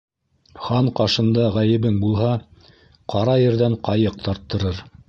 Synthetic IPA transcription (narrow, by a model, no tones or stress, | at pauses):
χɑɴqɑʃɤ̆nd̪ɑʁæjɘ̆βɘŋbulˠɦɑ | qʰɑɾɑjɘ̆ɾðæɴqɑjɤq̚t̪ɑɾt̪ːɤ̆ɾɤɾ